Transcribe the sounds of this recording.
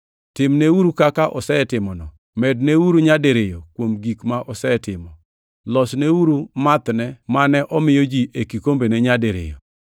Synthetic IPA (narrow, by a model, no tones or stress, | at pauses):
tɪmnɛuɾukakaʔɔsɛtɪmɔnɔ | mɛdnɛuɾuɲadeɾɪjɔkwomɡikmaʔɔsɛtɪmɔ | lɔsnɛuɾumat̪nɛmanɛʔɔmɪjɔd͡ʒiʔekikombenɛɲadeɾɪ̰jɔ̰